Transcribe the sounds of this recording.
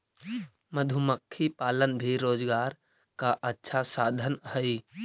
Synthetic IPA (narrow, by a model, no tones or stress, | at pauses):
məd̪ʱʊməkʰːipaːlənbʱiɾoːd͡ʒɡaːɾ | kaʔətːʃʰasaːd̪ʱənhəi